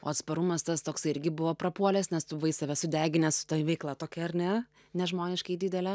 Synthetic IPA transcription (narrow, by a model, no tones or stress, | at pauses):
oːɐt̪spɐɾʊmɐst̪ɐst̪oːksɐɪɪɾʲɡʲɪbʊʋoːpɾɐpuɔlʲɛsnʲɛst̪ʊʋɐɪsɐʋʲɛsʊd̪ʲæːɡʲɪnʲɛssʊ̥t̪ɐʋʲɛɪklˠɐt̪oːkʲɛɐɾnʲɛ | nʲɛʒmoːnʲɪʃkɐɪd̪ʲɪd̪ʲɛlʲɛ